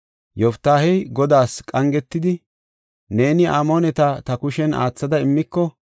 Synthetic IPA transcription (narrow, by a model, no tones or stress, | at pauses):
jɔft̪ːaːhɛjɡɔd̪aːskʼɐŋɡɛt̪ːɪd̪ɪ | ne̞ːnɪʔaːmoːnɛt̪ɐt̪ɐkʊʃɛna̰ːt͡sːɐd̪ɐɪmːɪkːɔ